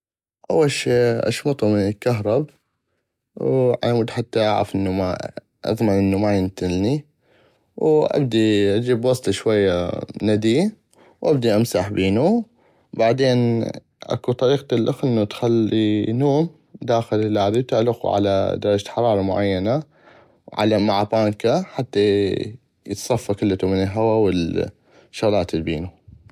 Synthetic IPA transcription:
ʔawːalʃiːʔa̰ʃmɑt̪ˤumɪnɪlkːaɦɾˤɑba | wʕa̰mʊd̪ħat̪ːaʔa̰ʕɾɑ̰fʔɪnːuma̰ | ʔɑ̰ðˤmɑʕʔɪnːumajɪnt̪ɪlni | wʔa̰b̚d̪iʔad͡ʒiːbwɑsˤt̪ˤiʃwajːanad̪iː | wʔabd̪iʔamsaħbiːnu | baʕd̪eːn | ʔa̰kut̪ˤɑɾiːqt̪ɪlʔaxʔɪnːut̪xalːinoːm | d̪aːxɪlɪlːaʕɾiwt̪ɪʕlɪqṵʕa̰la̰d̪ɑɾˤɑd͡ʒaħɑɾˤɑːɾˤɑmʊʕajːana | wʕa̰lamaʕapaːŋkaħat̪ːa | jət̪sˤɑfːakɪlːt̪umɪnɪlɦawawɪl | ʃːaɣlɑːt̪lbḭːnu

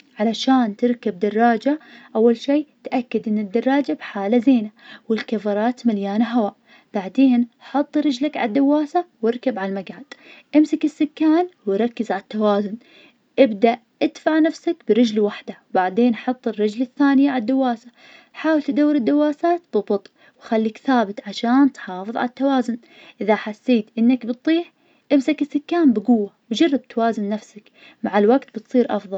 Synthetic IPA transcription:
ʕalaʃaːnt̪ɪɾkabd̪ɑrˤːɑːd͡ʒaʔawːalʃiːt̪ʔakːad̪ʔɪnːɪd̪ːɑrˤːɑːd͡ʒabħaːlazeːnawɪlkafɑɾˤɑːt̪maljaːnaɦawaːʔ | b̥aʕd̪eːnħɑt̪ˤːɾˤɪd͡ʒlakʕa̰ad̪ːawːaːsawɪɾkabʕalmaɡʕad̪̥ʔɪmsakɪsːɪkːaːnwɪɾˤɑkːɪzʕalt̪ːawaːzʊn | ʔɪbd̪aʔ | ʔɪd̪faʕnafsakbɪɾɪd͡ʒlwaħd̪awbaʕd̪eːnʔħɑt̪ˤːɨrːɪd͡ʒlɪθːaːnɪjad̪ːawːaːsa | ħaːwɪlt̪d̪awːɪɾɪd̪ːawːaːsaːt̪bɨbʊt̪ˤʔ | wxalːiːkθaːbɪt̪ʕaʃaːnt̪ħɑːfɨðˤʕa̰lat̪ːawaːzʊn | ʔɪðaħasːeːt̪ʔɪnːakbɨt̪̚ˤːiːħ | ʔɪmsakɪsːɪkːaːmbɪɡʊwːawd͡ʒɑrˤːɪb̚t̪awaːzɪnːafsak | maʕalwaɡt̪bɪt̪sˤiːɾʔɑfðˤɑl

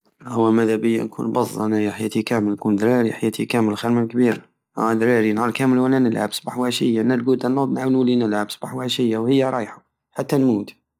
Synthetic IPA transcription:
hʊwːæmæðæbɪjːa̰nkʰṵːnbɑzˤːænajaħjæːt̪ikæməlnkuːnd̪ɾɑɾiħajæːt̪ʰikæməlxaɾmalkbiːɾ | ʔa̰d̪ɾɑɾinʕɑlkæːməlwænænəlʕabsbaħwaʃɪjːanælɡuːt̪anːʊd̪ˤnaʕwllinəlʕabsb̥aħwaʃɪjːawhɪjːaɾˤɑːjħa | ħat̪ːanmuːt̪

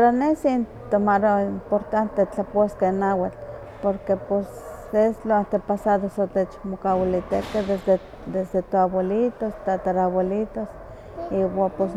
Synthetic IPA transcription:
paɾanesint̪omaɾoimpoɾt̪ant̪et͡ɬaposkenawat͡ɬ | poɾkeposesloant̪epasaðosot̪et͡ʃmokawilit̪eked̪ee | d̪esd̪et̪oabolit̪ost̪at̪aɾaβolit̪os | iwapos

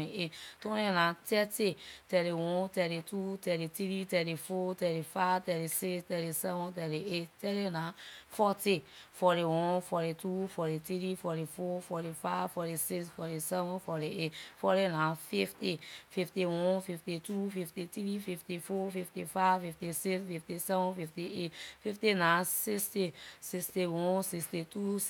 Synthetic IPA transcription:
ietɔ̃nenãtɛtitɛɾiwɔ̃tɛɾitutɛɾitɾitɛɾifotɛɾifavtɛɾisikstɛɾisɛvɔ̃tɛɾietɛɾinãfɔtifɔɾiwɔ̃nfɔɾitufɔɾitɾifɔɾifɔfɔɾifavfɔɾisiksfɔɾisɛvɔ̃nfɔɾietfɔɾinãfiftififtiwɔ̃nfiftitufiftitɾififtifɔfiftifavfiftisiksfiftisɛvɔ̃nfiftietfiftinãsistisikstiwɔ̃nsikstitu

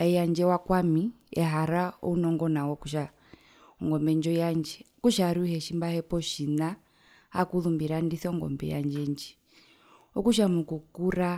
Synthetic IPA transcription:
aijaɲd͡ʒɛwakwamiɛ̰ɦaɾaɔunɔŋɡɔnawɔkuʃa | ɔŋɡɔmbɛɲd͡ʒɔjaɲd͡ʒɛkuʃaɾuhɛʃimbahɛpɔʃina | akulumbiɾandiθɔŋɡɔ̰mbɛ̰ja̰ɲd͡ʒɛɲd͡ʒɛ | ɔkuʃamukukuɾa

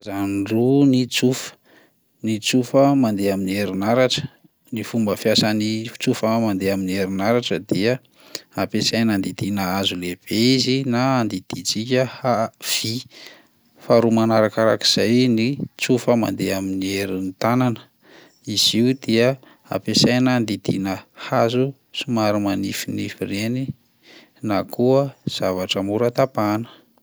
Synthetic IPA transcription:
zanrunit͡sufə̥ | nit͡sufəmand̪eaminieɾinaɾaʈ͡ʂə̥ | nifumbəfjasanift͡sufəmand̪eaminieɾinaɾaʈ͡ʂəd̪iə | apesajnand̪id̪inaazuleb̥eizinaːnd̪id̪̥id͡zikʲəhav̥i | faɾumanaɾakaɾa̰ki̥z̥ajnit͡sufəma̰nd̪eaminieɾinit̪ananə̥ | iz̥iud̪eə | a̰pesajnand̪id̪ḭnəhazu | simaɾimanifinifireni | nakʰuəz̥avaʈ͡ʂəmuɾat̪apanə̥

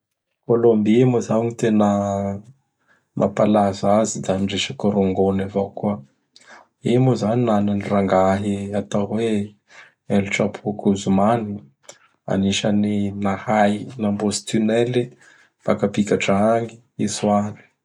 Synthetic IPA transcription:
kolombimozawŋit̪enə | mʔapalazazid̪aniɖ͡ʐeʃəkoɾoŋɡonavokuə | imozaninananiraŋɡaɦiat̪awwe | eliʈ͡ʂapʰukuzumani | a̰niʃaninahajnambozi̥t̪ynɛli | fakapikʲaʈ͡ʂaaŋi | iswani̥

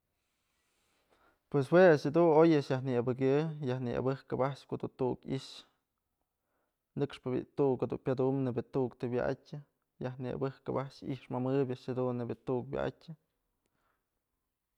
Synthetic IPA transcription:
pwes̬weaʃad̪unojaʔʃjahnɨabɨɡʲɨjahnɨʔa̰bɨhkɨbaʔʂkod̪unt̪uukḭʃ | nɨkʂpɨ̰t̪ukhod̪ṵnpʲad̪umnebjat̪ukt̪ɨbja̰ʔa̰tʲɨ | jahnɨa̰bɨhkɨbaʔʂḭʔʂmamɨbʲjaʔʃhad̪unːebʲat̪uk̚bʲja̰ʔa̰tʲɨ

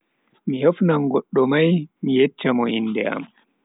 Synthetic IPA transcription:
mihefnaŋɡɔɗːɔmajmijet͡ʃːamɔinːdɛ̰a̰m

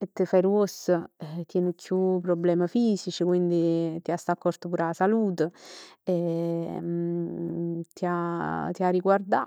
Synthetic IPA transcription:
et̪ːəfɛɾuosət̪jɛnukʰːjupːɾɔblɛːməfiːsit͡ʃikwind̪it̪iast̪akːɔrt̪əpuːɾasaluːt̪əɛ | t̪iat̪iariɡward̪a̰

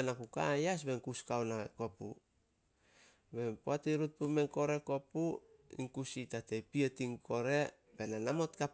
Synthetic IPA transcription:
enakukajas̬be̞ŋkuskawnako̞pṵ | be̞poatiɾut̚pumeŋko̞ɾe̞ko̞puḭŋkusitatejpietiŋkʰo̞ɾe̞ | be̞nanamo̞tkap

